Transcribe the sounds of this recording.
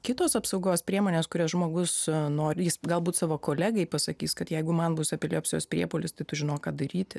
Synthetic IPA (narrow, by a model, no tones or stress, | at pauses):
kʲɪt̪oːsɐpsɐʊɡoːspʲɾʲiɛmoːnʲeːskʊɾʲoːsʒmoːɡʊsnoːɾʲjɪsɡɐlˠbuːt̪sɑːʋoːkoːlʲæːɡɐɪpɐsɐkʲiːskɐt̪jɛɪɡʊmɐnbʊsɐpʲɛlʲeːjosʲjo̰ːspʲɾʲiɛpoːlʲɪst̪ɐɪt̪ʊʒʲɪnoːkɑːd̪ɐɾʲiːt̪ʲɪ